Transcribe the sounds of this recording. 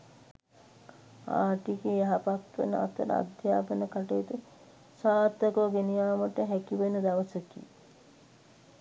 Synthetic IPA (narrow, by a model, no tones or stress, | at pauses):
a̰ːʈikejaɦapat̪ʋḛnəa̰t̪əɾə̰a̰d̪ʱjaːpənəkaʈejt̪ə | saːt̪ːəkoɡenijaːməʈəɦækiʋenəd̪aʋəsəkḭ